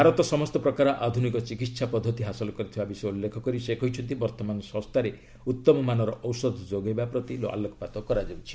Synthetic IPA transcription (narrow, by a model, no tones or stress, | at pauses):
bʱaɾɔt̪ɔsɔmɔst̪ɔpɾɔkaɾɔʔad̪ʱunikɔt͡ʃikit̪ːsʰapɔd̪ʱːɔt̪iɦasɔlɔkɔɾit̪ʰibabisɔeulːekʰɔkɔɾisekʰɔjt͡ʃʰɔnt̪ibɔɾt̪ɔmanɔsɔ̃st̪ʰaɾe | ut̪ːɔmɔmanɔɾɔʔɔwsɔd̪ʱɔd͡ʒoɡejbapɾɔt̪ilo̰a̰lɔkʰɔpat̪ɔkɔɾad͡ʒawt͡ʃʰi̥